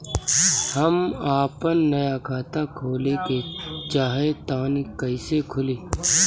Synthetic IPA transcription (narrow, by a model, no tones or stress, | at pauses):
hɐmaːpənːɐjakʰaːt̪akʰoːleket͡ʃaːɦet̪aːnikəisekʰʊliː